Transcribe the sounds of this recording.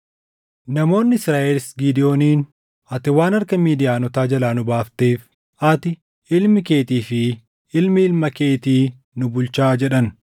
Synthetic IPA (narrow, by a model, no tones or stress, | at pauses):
nɐmo̞ːnːɪɪsɾaːʔelɪsɡid̪ɪjo̞ːniːn | ɐt̪ɪwaːnɐɾkɐmiːd̪ɪjaːnɔt̪aːd͡ʒɐlaːnʊbaːft̪eːf | ɐt̪ɪ | ɪlmɪke̞ːt̪iːfɪ | ɪlmɪɪlmɐke̞ːt̪iː | nʊbʊlt͡ʃaːd͡ʒɛᶑɐn